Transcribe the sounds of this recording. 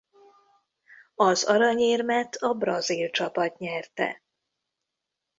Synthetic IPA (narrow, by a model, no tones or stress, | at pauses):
ɒzɒɾɒɲeːrmɛt̪ʰɒbrɒzilt͡ʃɒpɒt̪ɲɛrt̪ɛ̰